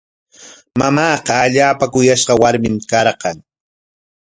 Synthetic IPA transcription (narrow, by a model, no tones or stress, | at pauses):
mamɑːqɑːʎaːpakʊjaʃqɑwaɾmɪmkɑɾɢɑŋ